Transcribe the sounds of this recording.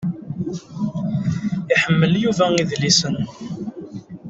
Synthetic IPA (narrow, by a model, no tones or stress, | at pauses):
iħəmːəljuvæiðlisən